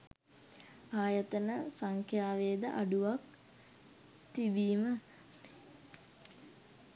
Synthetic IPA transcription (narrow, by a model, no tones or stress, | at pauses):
aːjət̪ənəsaŋkʰjaːʋeːd̪ə̰ʔaɖuʋak | t̪ibiːmə